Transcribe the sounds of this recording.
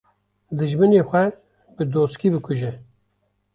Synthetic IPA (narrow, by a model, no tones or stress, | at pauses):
d̪ɨʒmɨneːxʷɛ | bɨd̪oːskiːbɨkʷʰʊʒɛ